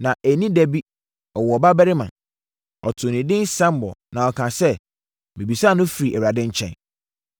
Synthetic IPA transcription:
nã˨ʔæ˨nĩ˦dɛ˦bi˦ | ɔ˨wɔ˨ba˦bɛ˦ɾɪ˦mã˨n | ɔ˨tʰʊ̃˨nɪ̃˨dɪ̃˦n˦sã˦m˦bɔ̰˨nã˨ɔ˨kʰã˨sɛ˦ | mĩ˨bi˨saː˦˨nʊ̃˦fi˨ɾi˨ʔɛ˨wɾa˨dɪ̃˦ɲ̩˦t͡ɕʰɛ̰̃˨n

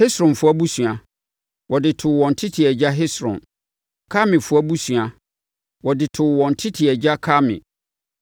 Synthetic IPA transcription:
hɪ˦sɾʊ̃˨mfʊ˦a˦bu˦sɥa˨ | wʔɔ˨dɪ˨tʰʊ˨wɔ̃˨n̩˨tʰɪ˦tʰɪ˨ɛ˨d͡ʑa˦ɦɪ˦sɾʊ̰̃˨m | kʰa˦mɪ̃˨fʊ˦a˦bu˦su˨a˨ | wɔ˨dɪ˨tʰʊ˨wɔ̃˨n̩˨tʰɪ˦tʰɪ˨ɛ˨d͡ʑa˦kʰa˦mɪ̰̃˨

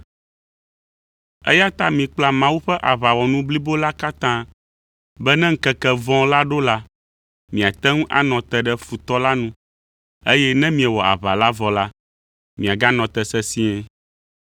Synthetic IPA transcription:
ɛ̰˦ja˦t̪a˦mĩ˨k͡pla˦mã˦wu˦ɸɛ˦ʔa˨βa˨wɔ˨nũ˦bli˦bo˦la˦ka˦t̪ã˦ | bɛ˦nɛ̃˦ŋ̩˦kɛ˦kɛ˦vɔ̃˦la˦ɖo˦la˦ | mĩ˨a˨t̪ɛ˦ŋũ˦ʔa̰˦nɔ̃˨t̪ɛ˦ɖɛ˦fu˨t̪ɔ˦la˦nũ˦ | e˦jɛ˦nɛ̃˦mĩ˨ɛ˨wɔ˨a̰˨βa˨la˦vɔ˨la˦ | mĩ˨a˨ɡa˦nɔ̃˨t̪ɛ˨sɛ˦si˦ɛ˦

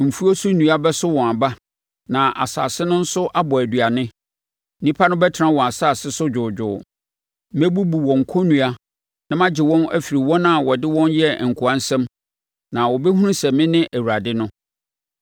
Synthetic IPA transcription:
m̩˨fu˦o˦sʊ˦nũ˨a˦bɛ˦sʊ˦wɔ̃˨a˨ba˦ | nã˨ʔa̰˨sa̰ː˨sɪ˦nʊ̃˦n̩˦sʊ˦ʔa˦bɔ˨æ˨dɥa˨nɪ̃˦ | nĩ˦pʰa˦nʊ̃˦bɛ˦tʰɾã˦wɔ̃˨a˨saː˦˨sɪ˦sʊ˦d͡ʑᶣʊː˨d͡ʑʊ̰˨ | mɛ˦bu˦bu˨wɔ̃˨ŋ̩˨kʰɔ˦nũ˨a˦ | nã˦mã˦d͡ʑɪ˨wɔ̃˦næ̰˦fi˨ɾi˨wɔ̃˦nã˦˨wɔ˨dɪ˦wɔ̃˦njɛ˦˨ŋ̩˨kʰu˨ã˦n̩˦sɛ̃˦m | nã˨wɔ˨bɛ˦hũ˦ɾũ˦sɛ˨mɪ̃˦nɪ̃˦ʔæ˨wu˨ɾa˨dɪ˦nʊ̃˦

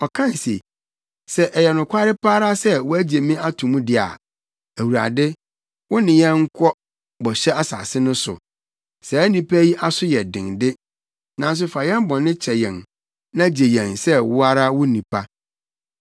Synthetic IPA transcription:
ɔ˨kʰã˦n˨sḛ˨ | sɛ˦ʔɛ˨jɛ˨nʊ̃˨kʷʰa˦ɾɪ˦pʰaː˦ɾa˦sɛ˦wʊ˦æ˦d͡ʑe˨mĩ˦a˦tʰũ˨mũ˦dɪ˦a̰˨ | æ˨wu˨ɾa̰˨dɪ˦ | wʊ̃˦nɪ̃˨jɛ̃˦ŋ̩˦kʰɔ˦ | bɔ˨ɕɛ˦a˦sa̰ː˨sɪ˦nʊ̃˦sʊ̰˨ | sɛ˨æ˦nĩ˨pʰæ˦ji˦ʔa˦sʊ˦jɛ˨dɪ̰̃˨ŋdɪ˦ | nã˨n˦s̬ʊ˦fa˨jɛ̃˦mbɔ̃˨nɪ̃˦t͡ɕʰɛ˨jɛ̰̃˨n | nã˦d͡ʑe˨jɛ̃˨nsɛ˦wʊ˦a˦ɾa˦wʊ˦nĩ˨pʰa˦

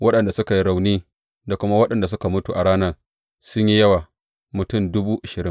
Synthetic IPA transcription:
wɐ˦ɗɐ˨nda˨sʊ˦ka˨ji˦ɽa˨wniː˦ | da˨kʷʊ˦ma˦wɐ˦ɗɐ˨nda˨s̬ʊ˦ka˨mʊ˦tu˨ʔa˨ɽaː˦nɐ˦r | sʊ˦ɲji˦jɐ˦waː˨ | mʊ˨tʊ˦˨mdʊ˦buː˦ʔa˨ʃɪ˨ɾɪ˦

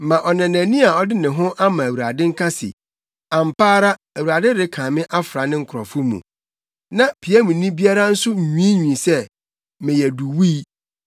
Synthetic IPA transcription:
mã˨ʔɔ˨nã˨næ̃˨nĩ˦a˨ɔ˦dɪ˦nɪ̃˨ɦʊ̃˦ʔa˦mã˨æ˨wu˨ɾa˨dɪ̃˦ŋ̩˦kʰa˦sɪ̰˨ | ã˨m̩˨pʰaː˦ɾa˦ | æ˨wu˨ɾa˨dɪ˦ɾɪ˦kʰãː˨mɪ̃˦ʔa˦fɾa˨˦nɪ̃˦ŋ̩˨kʰʊ˨ɾɔ̰˨fʊ˦mṵ̃˨ | nã˦˨pʰi˨a˦mũ˨nĩ˦bi˦a˦ɾa˦n̩˦sʊ˦˨ɲũ˦i˦ɲũ˨i˨sɛ˦ | mɪ̃˨jɛ˨du˨wi˦

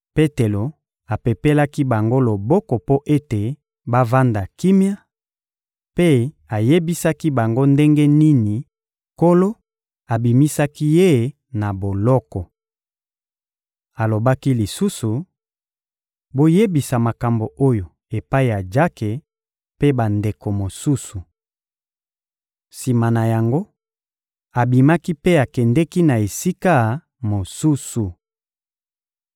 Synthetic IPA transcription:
pe˦te˨lo˨ | a˨pe˨pe˦la˦ki˦ba˨ŋɡo˦lo˨bɔ˦kɔ˨po˦ʔe˦te˨ | ba˦va˦nda˨ki˦mja˦ | pe˦ | a˨je˦bi˦sa˦ki˦ba˨ŋɡo˦nde˦ŋɡe˦ni˦ni˨ | ko˦lo˦ | a˨bi˨mi˦sa˦ki˦je˦˨ | na˨bo˨lɔ˦kɔ˨ | a˨lo˨ba˦ki˦li˨su˦su˨ | bo˦je˦bi˨sa˨ma˨ka˨mbo˨o˦jo˨ | e˨pa˦i˨ja˨d͡ʒa˦ke˨ | pe˦ba˨nde˨ko˨mo˨su˦su˨ | si˨ma˨na˨ja˨ŋɡo˦ | a˨bi˨ma˦ki˦pe˦a˨kɛ˨ndɛ˦ki˦na˨e˨si˦ka˦ | mo˨su˦su˨

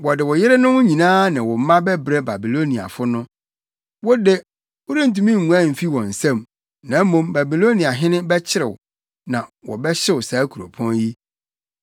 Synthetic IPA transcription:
wɔ˨dɪ˨wɔ˨jɪ˦ɾɪ˦nʊ̃˦wʊ˦ɲĩ˨nãː˦nã˨wɔ˨m̩˦mã˦bɛ˦bɾe˦ba˨bi˨lo˦nĩ˨a̰˨fʊ˦nʊ̃˦ | wɔ˦de˦ | o˦ɾĩ˦n̩˨tũ˦mĩ˦ŋ˨ŋũ˨˦ã˦˨m̩˨fi˦wɔ̃˨n̩˨sã˦˨m | nã˨˦mõ˨mba˨bi˨lo˦ni˨a˨ɦɪ̃˦nɪ̃˦bɛ˦t͡ɕʰɪ˦ɾɪ˨wʊ˨ | nã˨wɔ̰˨bɛ˦ɕɛ˦wʊ˨saː˨˦kʰu˨ɾo̰˨pʰɔ̃˦nji˦

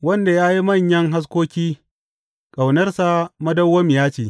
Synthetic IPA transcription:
wɐ˦nda˨jaː˦ji˦mɐ˦˨ɲjɐ˦ŋɦa˦s̬kʷoː˦kʲiː˦ | kʼa˨wnɐ˦rsa˨mɐ˦dɐ˦wːɐ˦m˨jaː˦t͡ʃeː˨

